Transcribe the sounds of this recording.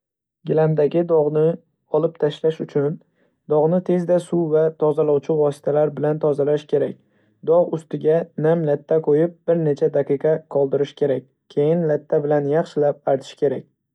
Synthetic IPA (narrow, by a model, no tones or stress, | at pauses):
ɡʲɪland̪aɡʲɪd̪ɒʁnɪ | ɒlˠɪp̚t̪ʰaʃlaʃʊt͡ʃʰʊn | d̪̥ɒʁnɪt̪ʰe̞zd̪asuvat̪ʰɒzalɒwt͡ʃʰɪvɒsɪ̥t̪ʰalaɾbɪlant̪ʰɒzalaʃkʲʰe̞ɾak̚ʲ | d̪ɒʁʊst̪ɪɡʲanamlat̪ʰːaqʰojɪp̚b̥ɪɾne̞t͡ʃʰad̪aqɨqʰɑqʰɒlˠd̪ɪɾɪʃkʲʰe̞ɾak̚ʲ | kʲʰːejɪnlat̪ʰːabɪlanjɑχʃɪlap̚aɾt̪ʰɪ̥ʃkʲe̞ɾakʲ